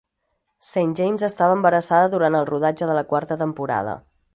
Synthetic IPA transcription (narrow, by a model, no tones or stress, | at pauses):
senʒejmzəst̪aβəːmbəɾəsaðəðuɾant̪əlˠruðad͡ʒəðələkwaɾt̪ət̪əmpuɾa̰ðə̰